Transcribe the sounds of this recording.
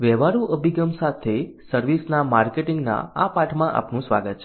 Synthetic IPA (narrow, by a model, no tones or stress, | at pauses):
ʋɛʋaɾũʔəbʱiɡəmsat̪ʰesəɾʋisnamaɾkeʈiŋɡna̰apaʈʰmãʔa̰pnũsʋa̰ɡət̪̚t͡ʃʰ